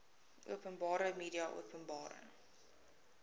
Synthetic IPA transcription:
ʔuəpənbɑːɾəmiːɾiɐʔṵəpənbɑːɾə̰ŋ

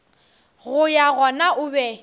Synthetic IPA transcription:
ɣʊjaɣɔnaʔʊbɛ

